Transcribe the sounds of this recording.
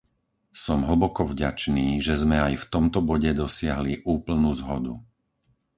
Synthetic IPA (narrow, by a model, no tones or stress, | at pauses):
sɔmɦɭ̩bɔkɔvɟat͡ʃniːʒɛzmɛajft̪ɔmt̪ɔbɔɟɛd̪ɔsɪaɦliʔuːpl̩nuːzɦɔd̪u